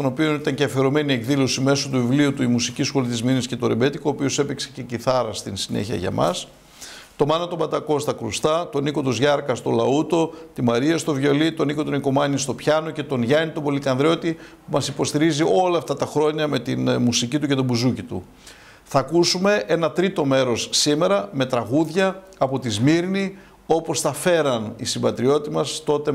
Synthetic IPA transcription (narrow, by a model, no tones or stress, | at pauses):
st̪o̞nopio̞nit̪ɐɲceɐfeɾo̞me̞nie̞kðilo̞sime̞so̞t̪uvivliut̪uimusicisxo̞lit̪izminisce̞t̪o̞ɾebe̞t̪ikoːpio̞se̞pikse̥ce̞ciθɐɾɐst̪insine̞̰çiɐ̰ʝɐ̰mɐ̰s | t̪o̞mɐnɐt̪o̞bɐt̪ɐko̞st̪ɐkɾust̪ɐt̪o̞niko̞t̪ozʝɐɾkɐst̪o̞lɐut̪o̞t̪imɐɾiɐst̪o̞vʝo̞lit̪o̞niko̞t̪o̞niko̞mɐɲist̪o̞pçɐno̞ce̞t̪o̞nʝɐnit̪o̞bo̞likɐnðɾo̞t̪ipumɐsipo̞st̪iɾiziʔo̞lɐːft̪ɐt̪ɐxɾo̞ɲɐme̞t̪inmusicit̪uce̞t̪o̞buzucit̪ṵ | θɐkusume̞ʔenɐt̪ɾit̪o̞me̞ɾo̞sːime̞ɾɐme̞t̪ɾɐɣuðʝɐː | po̞t̪izmiɾni | o̞po̞sθɐfe̞ɾɐnisimbɐt̪ɾio̞t̪imɐst̪o̞t̪e̞